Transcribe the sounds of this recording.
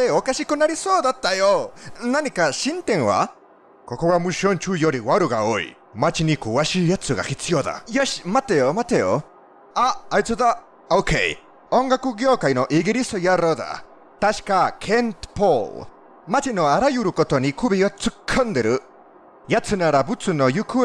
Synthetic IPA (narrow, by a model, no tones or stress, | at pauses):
eokaɕikɯ̟naɾʲiso̞ːd̪at̪ːajonaɲ̟ikaɕĩnt̪ẽ̞ɰ̃βa̰ | ko̞ko̞ɡamɯ̟ɕõ̞ɲt͡ɕɨːjo̞ɾʲiβaɾɯ̟ɡa̰oḭ | mat͡ɕiɲ̟ikɯβaɕiːjat͡sɨɡa̰çit͡sɨjo̞d̪a̰joɕi̥mat̪ejomat̪ejo | aːit͡sɨd̪a | okʰḛi | õ̞ŋɡakɯ̟ɡʲjo̞ːkaino̞ʔiɡiɾʲist̪ojaɾoːd̪a̰ | t̪aɕi̥kakʰent̪poːl | mat͡ɕino̞aɾajɯɾɯ̟ko̞t̪o̞ɲ̟ikʰɯbʲiot͡sɨkʰːɯ̃nd̪e̞ɾɯ̟ | jat͡sɨnaɾabɯ̟t͡sɨno̞jɯkɯ